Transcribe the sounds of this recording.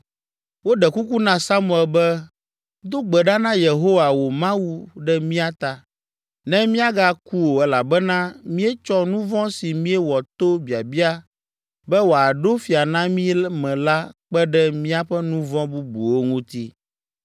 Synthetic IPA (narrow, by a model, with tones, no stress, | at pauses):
wo˦ɖɛ˨ku˦ku˦nã˦sa˦mũ˨ɛ˨lbɛ˦ | d̪o˦ɡ͡bɛ˨ɖa˦nã˦je˨ɦo˦wa˨wo˨mã˦wu˦ɖɛ˦mĩ˦a˦t̪a˨ | nɛ̃˦mĩ˦a˦ɡa˦ku˦wo˨ɛ˦la˨bɛ˦nã˦mĩ˦ɛ˦t͡ʃɔ˦nũ˦vɔ̃˦si˨mĩ˦ɛ˦wɔ˨t̪o˦bi˨a˨bi˦a˦ | bɛ˦wo˨a˨ɖo˦fi˨a˨nã˦mĩ˦mɛ̃˨la˦k͡pɛ˦ɖɛ˦mĩ˦a˦ɸɛ˦nũ˦vɔ̃˦bu˦bu˨wo˦ŋũ˦t̪i˦